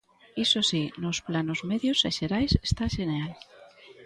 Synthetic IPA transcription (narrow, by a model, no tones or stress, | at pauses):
isosinosplanozmeðjoseʃeɾajsest̪aʃeneal